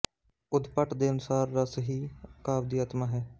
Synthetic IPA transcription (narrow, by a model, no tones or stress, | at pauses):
ʊd̪pəʈd̪eːənʊsaːɾːasəɦiːkaːʋd̪iːaːt̪maːɦɛː